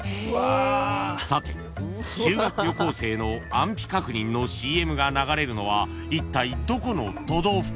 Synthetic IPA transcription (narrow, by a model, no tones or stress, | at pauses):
sat̪ḛ | ɕɨːɡakɯ̟ɾjo̞ko̞ːse̞ːno̞ãmpʲi̥kakɯ̟ɲ̟ĩnːo̞ɕiːe̞mɯ̟ɡanaɡaɾe̞ɾɯ̟no̞βa | it̪ːaid̪o̞ko̞no̞t̪o̞d̪o̞ːɸ